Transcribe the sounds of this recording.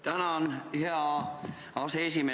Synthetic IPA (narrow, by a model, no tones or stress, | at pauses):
t̪ænæonheæ | ɑseesime